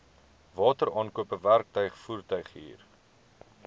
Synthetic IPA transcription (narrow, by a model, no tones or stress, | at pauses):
vɑːtəɾɑːnkuəpəværk̚tœɥχfuːrtœɥχɦḭːr